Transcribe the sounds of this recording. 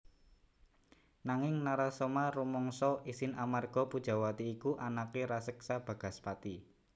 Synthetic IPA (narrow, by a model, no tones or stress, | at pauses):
naŋɪŋnaɾasɔmaɾumɔŋsɔʔisɪnamarɡ̥ɔ̤pud̥ʒ̥a̤wat̪iːkuʔanakeɾasəksab̥ä̤ɡ̥a̤spat̪i